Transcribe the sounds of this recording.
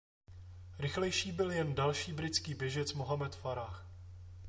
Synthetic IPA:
ɾɪxlɛjʃiːbɪljɛndalʃiːbɾɪt͡skiːbjɛʒɛt͡smoɦamɛt̪faɾaːx

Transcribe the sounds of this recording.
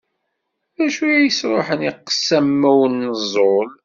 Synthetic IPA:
ðæʃujjəsɾˤoħəniqːə̥sːæmːæwənːəzˤol

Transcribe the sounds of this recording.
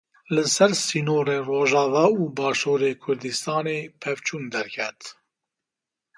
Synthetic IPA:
lɨsɛɾsiːnoːɾeːroːʒɑːvɑːuːbɑːʃoːɾeːkʰʊɾd̪ɨst̪ɑːneːpʰɛvt͡ʃʰuːnd̪ɛɾkʰɛt̪

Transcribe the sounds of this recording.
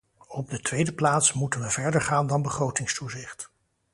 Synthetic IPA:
ɔb̚dətʋejdəplaːtsmutənʋəvɛɹdəɹχaːndɑnbəχrowtɪŋstuzɪχt

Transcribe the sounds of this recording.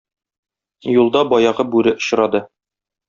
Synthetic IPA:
julˠd̪ɑbɒjɑʁɤbʉɾɘʔŏɕɾɑd̪ɤ

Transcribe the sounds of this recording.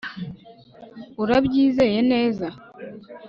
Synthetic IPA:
uɾabɟiːze̞je̞ne̞ːza

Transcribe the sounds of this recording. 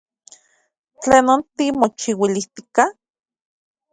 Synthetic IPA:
t͡ɬeːnont̪imot͡ʃiwiliht̪i̥ka

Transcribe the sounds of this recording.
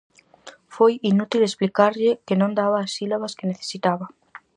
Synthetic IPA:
fojinut̪ilesplikaɾʎɪkenõnd̪aβaːsilaβaskeneθe̥sit̪aβɐ

